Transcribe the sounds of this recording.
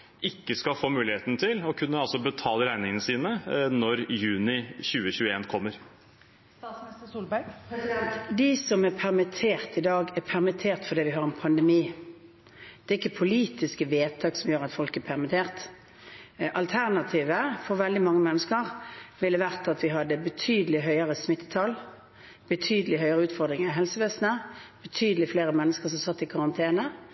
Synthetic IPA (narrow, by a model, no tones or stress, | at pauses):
ɪkːəskɑfoːmʉːlɪheːt̪nət̪ʰɪlɔkʰʉnːəɑlsɔbət̪ʰɑːləɾæɪnɪŋənəsiːnənɔɾjʉːnɪçʉːəçʉːəeːnkʰɔmːəɾ | t̪ɑsnɪst̪əsuːlbæɾɡ̪ | d̪ɪsɔmɛʁpʰæʁmɪt̪ʰeːʁt̪ɪd̪ɑːɡɛpʰæʁmɪt̪ʰeːʁt̪fɔʁd̪ɛːʋɪɦɑɾɛnpʰɑnd̪ɛmiː | d̪̥ɛːɪkːəpʰʊliːt̪ɪskəʋeːt̪ʰɑːksɔmjøːʁɾɑt̪fɔlkɛpʰæʁmɪt̪ʰeːʁt̪ | ʔɑlt̪ʰæʁnɑt̪ʰiːʋəfɔɾʋɛld̪ɪmɑŋːəmɛnːəskəʁʋɪlːəʋæʁt̪ɑt̪ʋɪɦɑd̪ːəbət̪ʰyːd̪əlɪɦœʏəʁəsmɪt̪ːət̪ʰɑl | b̥ət̪ʰyːd̪əlɪɦœʏəʁəʉːt̪fɔʁd̪ɾʁɪŋəɦɛlsəʋeːsnəb̥ət̪ʰyːd̪əlɪfleːɾəmɛnːəskəʁsɔmsɑt̪ːɪkʰɑʁɑnt̪ʰeːnə